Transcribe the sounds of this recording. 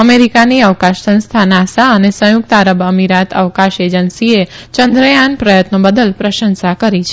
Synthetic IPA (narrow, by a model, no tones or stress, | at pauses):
əmeɾikaniəʋkaʃsə̃ñst̪ʰanasaənesə̃jʊkt̪aɾəbəmiɾat̪ə̰ʋkaʃed͡ʒənsie | t͡ʃənd̪ɾəjanpɾəjət̪nobəd̪əlpɾəʃə̃nsakəɾit͡ʃʰe